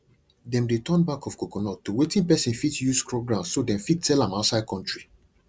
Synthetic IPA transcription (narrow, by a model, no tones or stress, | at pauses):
dɛ̃mdetɔ̃nbakɔfkokonɔtːowetĩnpɛsĩnfitjuspɹoɡɹãmssodɛ̃mfittːɛlãmaʊtsaɪkʰɔ̃ntɹi